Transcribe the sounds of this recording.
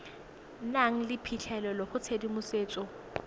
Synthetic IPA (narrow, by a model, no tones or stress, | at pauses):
naŋ̩lɪpʰit͡ɬʰɛlɛlɔχʊt͡sʰedimʊseːt͡sʼɔ